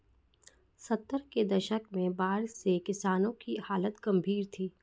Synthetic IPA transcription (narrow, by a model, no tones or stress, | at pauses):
sɐt̪ːəɾked̪ɐʃəkmẽbaːɾsekɪsaːnõkihaːlət̪ɡɐmbʱiːɾt̪ʰiː